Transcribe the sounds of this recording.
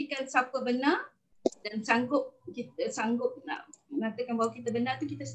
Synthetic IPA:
ikansapəbəna | dansaŋɡʊp̚kit̪əsaŋɡʊp̚na̰ʔməŋat̪əkanbaɦwakit̪əbənart̪ukit̪əs

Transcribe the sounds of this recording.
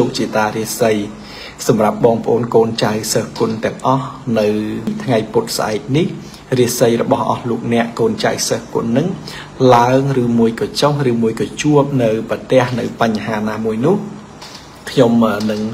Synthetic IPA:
loːk̚t͡ɕiət̪aːɾiəsəj | sɑmrap̚ɓɑːŋpə̆ʔoːnkoːnt͡ɕawsəhkʊ̆nt̪ɛ̆əŋʔɑhnɨwt̪ʰŋajpʊt̪̚sʔa̰ɛk̚nih | riəsəjrɔɓɑhʔɑ̰hloːk̚nɛ̆əʔkoːnt͡ɕa̰səːhkʊ̰̆nːɨŋ | laəŋrɨːmuəjkɑːt͡ɕohrɨːmuəjkɑːt͡ɕuəp̚nɨwpət̪ɛ̆əhnɨwpaɲːaɦaːnaːmuəjnʊ̆əh | kʰɲoməːnɨŋ

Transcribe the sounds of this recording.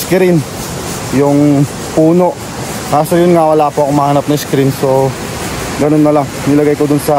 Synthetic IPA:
skɾin | jʊŋ | puːno̞ʔ | kaːsojʊnŋawɐlaːpoʔɐkoŋmːɐhaːnɐp̚nɐŋɪskɾinso̞ | ɡɐnonːɐlɐŋ | nɪlɐɡajkod̪ʊnsɐ

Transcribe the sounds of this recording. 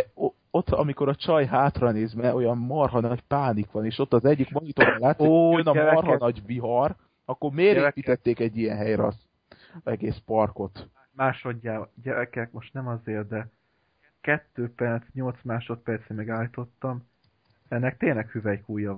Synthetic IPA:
ot̪ːɒ̰miko̞ɾɒt͡ʃɒjɦaːt̪rɒneːzmɛʔo̞jɒmmɒrɦɒnɒcpaːnikʋɒneːʃot̪ːɒzɛɟːikmɒɲit̪oːɒlaːt̪jønɒmɒrɦɒnɒɟviɦɒr | ɒkːo̞rmeːɾeːpiːt̪ɛt̪ːeːkɛɟːijɛnɦɛjɾɒs | ɛɡeːspɒrko̞t̪ | maːʃoɟːaːɟɛɾɛkɛkmo̞ʃt̪nɛmɒzeːrd̪ɛ | kɛt̪ːøːpɛrt̪sɲo̞lt̪smaːʃo̞t̪̚pɛrt̪semɛɡaːlːit̪o̞t̪ːɒm | ɛnːɛk̚t̪eːnlɛkhyvɛjkuːjɒ

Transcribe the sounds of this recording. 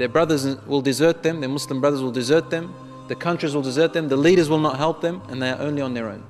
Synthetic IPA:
ðəbɹʌðə˞z̃wɪlˠdɨzɜ˞t̪̚ðɨ̃mðə˞mʊslə̃mbɹʌðə˞zwɪlˠdɨzɜ˞t̪̚ðɨ̃m | ðɨkʰʌ̃nt͡ʃɹ̥izwɪlˠdɨzɜ˞t̪̚ðɨ̃mðəliɾə˞zwɪlˠnət̚ɦɛlˠp̚ðɨ̃mɨ̃nðeɪə˞ʔõʊ̃nliə̃nðə˞õʊ̃n

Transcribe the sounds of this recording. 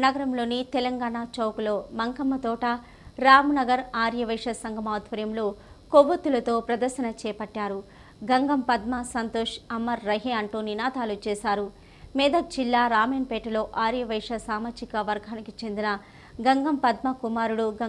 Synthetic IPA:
nɐɡɐɾɐmlo̞ːnit̪ɛlɐŋɡaːɳaːt͡ʃɐwklo̞ːmɐŋkɐmːɐt̪ɔːʈɐ | ɾaːmnɐɡɐɾaːɾjɐʋɐjʂɐsɐŋɡʱɐmaːd̪ʱʋɐɾjɐmloː | koʋɐt̪ːulɐt̪o̞ːpɾɐd̪ɐɾʃɐnɐt͡ʃɛːjpɐʈːaːɾu | ɡɐŋɡɐmpɐd̪mɐsɐnt̪oːʂɐmːɐɾːɐɦeːɐɳʈuːninaːt̪aːlut͡ʃɛːsaːɾu | mɛːd̪ɐd͡ʒilːaːɾaːmeːnpɛːʈɐlo̞ːʔaːɾjɐʋɐjʂɐsaːmaːd͡ʒikɐʋɐɾɡʱaːnikit͡ʃe̞nd̪inɐ | ɡɐŋɡɐmpɐd̪mɐkumaːɾuɽuɡɐ

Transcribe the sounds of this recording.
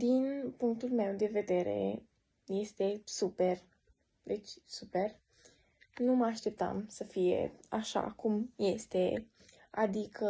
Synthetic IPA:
d̪inpuŋk̚t̪ulme̞wd̪e̞ve̞d̪e̞ɾe̞̰ | je̞st̪e̞supe̞r | d̪et͡ʃʲsupe̞r | numəaʃt̪e̞p̚t̪a̰msəfije̞̰aʃa̰kumje̞st̪e̞ | ad̪ikʰə

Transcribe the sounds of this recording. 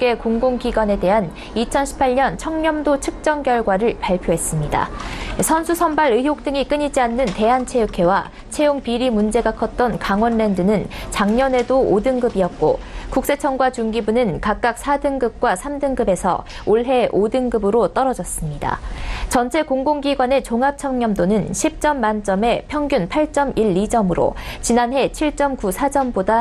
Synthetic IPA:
k͈e̞koŋɡoŋɡiɡwane̞de̞ɦan | it͡ɕʰʌnɕʰi̥pʰaɭɲʌnt͡ɕʰʌŋɲʌmdot͡ɕʰɯk̚t͡ɕ͈ʌŋkjʌɭɡwaɾɯɭpaɭpʰjoɦe̞s͈ɯmɲida̰sʰʌnsʰusʰʌmbaɾɯɦjok̚t͈ɯŋik͈ɯɲid͡ʑianːɯnte̞ɦant͡ɕʰe̞jukʰe̞wa | t͡ɕʰe̞joŋpiɾimund͡ʑe̞ɡakʰʌt̚t͈ʌnkaŋwʌnːe̞ndɯnɯnt͡ɕaŋɲʌne̞doodɯŋɡɯbiʌt̚k͈o̰kuk̚s͈e̞t͡ɕʰʌŋɡwat͡ɕuŋɡibunɯnkak̚k͈ak̚sʰadɯŋɡɯp̚k͈wasʰamdɯŋɡɯbe̞sʰʌ̰ | oɭɦe̞ʔodɯŋɡɯbɯɾot͈ʌɾʌd͡ʑʌs͈ɯmɲida̰t͡ɕʌnt͡ɕʰe̞koŋɡoŋɡiɡwane̞t͡ɕoŋɦap̚t͡ɕʰʌŋɲʌmdonɯnɕʰip̚t͡ɕ͈ʌmːant͡ɕ͈ʌme̞pʰjʌŋɡjunpʰaɭt͡ɕ͈ʌmiɭːid͡ʑʌmɯɾo̰t͡ɕinanɦe̞t͡ɕʰiɭt͡ɕ͈ʌmkusʰad͡ʑʌmboda

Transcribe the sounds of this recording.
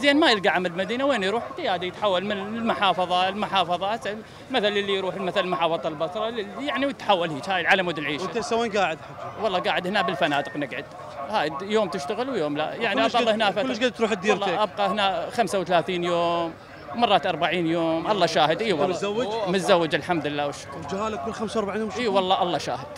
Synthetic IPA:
zeːnmajɪlɡaʕamɪlmad̪iːnaweːnjɾuːħt̪ːajaːd̪ajɪt̪ħawːalmɪnlmʊħɑːfɑðˤɑlmʊħɑːfɑðˤɑasa | maθalɪlːijɾuːħɪlmaθallmʊħɑːfɑðˤɑlbɑsˤɾˤɑlɪlːijaʕniwt̪ħawːalhiːt͡ʃhaːjɪlʕalamwʊd̪ɪlʕiːʃsawːeːnɡaːʕɪd̪ħawɑlˤːɑːɡaːʕɪd̪hɪnabɪlfanaːd̪ɨqnɪɡʕɪd̪ | haːjd̪joːmt̪ɪʃt̪aɣɪlwjoːmla̰jaʕniʔɑʃˤɑlːɑhɪnafaʊlːʃɡad̪t̪ɾuːħt̪̚d̪iːɾːeːʔab̚qɑhɪnaxamsawt̪alaːθiːnjoːm | mɑrˤːɑːt̪ʔɑɾˤbaʕiːnjoːmʔɑlˤːɑʃaːhɪd̪ʔiːwlawːɪmɪt̪zawːɪd͡ʒɪlħamd̪ɪlːaːwɪʃɪ̥kwd͡ʒhaːlakʊlːxamsaɑɾˤbaʕiːnjoːmʃiːwɑlˤːɑːʔɑlˤːɑʃa̰ːhɪd̪̥

